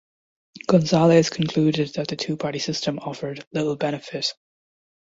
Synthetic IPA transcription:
ɡ̥ɔ̃nzalˠez̥kʰn̩kʰl̥uɾɪd̪̚ðɨt̪̚ðəɨtʰʉːpʰɑɹɾisɪstə̃mɔfə˞dlɪɾl̩ˠbɛñɨfɪt

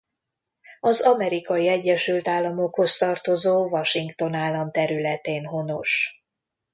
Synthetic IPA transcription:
ɒzɒmɛɾikɒjiɛɟːɛʃylt̪aːlːɒmo̞kho̞st̪ɒrt̪o̞zoːvɒʃiŋkt̪o̞naːlːɒmt̪ɛɾylɛt̪eːnɦo̞no̞ʃ

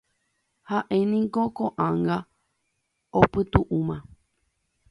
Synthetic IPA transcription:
haʔẽ̞nĩŋko̞koʔãŋɡa | opɨt̪uʔũmã

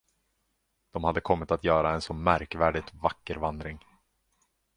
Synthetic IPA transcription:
d̪̥ɔmhad̪ːəkʰɔmːɪt̪at̪jœːɾaɛnsɔmæɾkvæːɖɪt̪vakːəɾvand̪ɾɪŋ

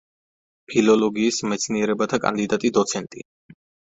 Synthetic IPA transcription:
pʰilɔlɔɡiːsmɛt̪sʰniɛɾɛbat̪ʰakʼa̰nd̪id̪at̪ʼid̪ɔt̪sʰɛnt̪ʼi

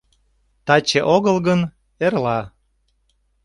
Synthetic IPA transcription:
t̪ɑt͡ɕeʔoɣəlɣən | erlɑ

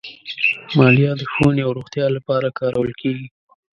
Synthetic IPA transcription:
mɑlijɑd̪əxonjawɾoɣt̪jɑlapɑɾakɑɾawəlkeɡi

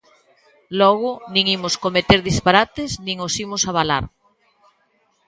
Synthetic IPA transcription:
lɔɣʊnĩŋimʊskomet̪eɾðispaɾat̪esnĩŋosimʊsaβala̰ɾ

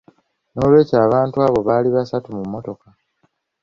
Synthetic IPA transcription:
no̞ːlwe̞ːcaːβaːntuaːβo̞βaːliβasatumumːo̞to̞ka

